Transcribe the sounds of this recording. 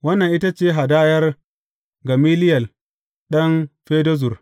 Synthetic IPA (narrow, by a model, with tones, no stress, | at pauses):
wɐ˦nːɐ˨ŋʔɪ˦ta˦t͡ʃeː˦ɦa˨daː˦jɐ˦r | ɡɐ˨miː˦lɪ˦jɐ˨l | ɗɐ˦ŋɸeː˦dɐ˦zʊ˨r